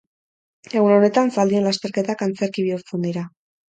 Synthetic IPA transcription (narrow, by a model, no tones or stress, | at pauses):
e̞ɣuno̞ne̞t̪ansald̪ie̞nlast̪e̞ɾke̞t̪akant͡se̞ɾkiβ̞iuɾt͡se̞nd̪iɾa